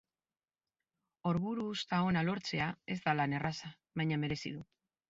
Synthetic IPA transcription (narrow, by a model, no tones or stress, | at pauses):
o̞ɾβuɾuːst̪ao̞nalo̞ɾt͡se̞ae̞zd̪alane̞rasa | βajɲame̞ɾe̞sḭðu